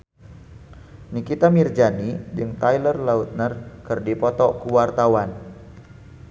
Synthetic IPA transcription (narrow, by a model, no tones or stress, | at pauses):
nikit̪amird͡ʒanid͡ʒɨŋt̪ajlərlaut̪̚nərkɨrdipɔt̪ɔkuwart̪awan